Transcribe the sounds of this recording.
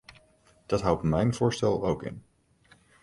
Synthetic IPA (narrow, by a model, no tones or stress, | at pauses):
d̥ɑtɦʌwtmɛjnv̥ʊːɹstɛlˠowkɪ̰n